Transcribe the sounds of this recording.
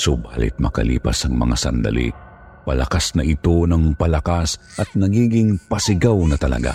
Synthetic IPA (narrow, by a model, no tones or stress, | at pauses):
sʊbha̰lɪ̰t̪̚mɐkɐlḭːpɐ̰sɐŋmɐ̰ŋasɐ̰nd̪ɐ̰lḭ | pɐlɐkasnɐʔɪt̪o̞nɐŋpɐlɐkas | ʔɐt̪̚nɐɡiːɡɪŋpɐsɪɡawnɐt̪ɐlɐ̰ɡa̰